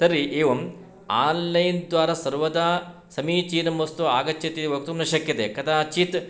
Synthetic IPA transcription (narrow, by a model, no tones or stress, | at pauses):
t̪ɐɾiʔeːʋɐm | aːnlɐjnd̪ʋaːɾɐsɐɾʋɐd̪aː | sɐmiːt͡ʃiːnɐmːɐst̪uaːɡɐt͡ʃːɐt̪iiʋɐk̚t̪umnɐʃɐkjɐt̪ekɐt̪aːt͡ʃit̪